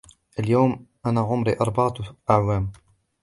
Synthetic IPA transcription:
ʔaljawmʔanaʕʊmɾḭʔɑɾˤbɑʕʔaʕwaːm

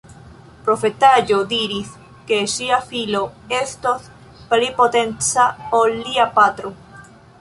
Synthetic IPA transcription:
pɾo̞fe̞tad͡ʒo̞diɾis | ke̞ʃiafilo̞e̞st̪os | plipo̞te̞nt͡saolːiapat̪ɾo

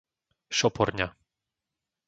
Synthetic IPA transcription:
ʃɔpʰɔ̰ɾɲa

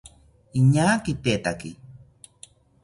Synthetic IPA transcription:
iɲaːkit̪et̪aki

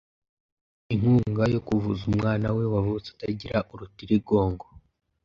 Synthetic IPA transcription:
iŋ̥huːŋɡajo̞kuvuzumŋaːnawe̞wavut͡su̥taɟiɾaʔuɾutiɾiɡo̞ːŋɡo

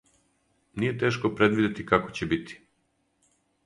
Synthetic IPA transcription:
nije̞t̪e̞ːʃko̞pɾe̞d̪ʋid̪et̪ikako̞t͡ɕebit̪ʰi̥

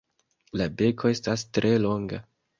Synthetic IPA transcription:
labe̞kʰo̞e̞stastɾʔe̞lo̞ŋɡa

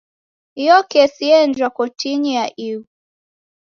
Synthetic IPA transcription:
ijɔkɛsiɛnd͡ʒwakɔtiɲijaʔiwu

